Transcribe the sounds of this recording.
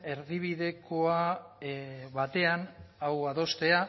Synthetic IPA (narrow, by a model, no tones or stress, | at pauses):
e̞ɾðiβ̞iðe̞ko̞a | βat̪e̞anawað̞o̞st̪e̞a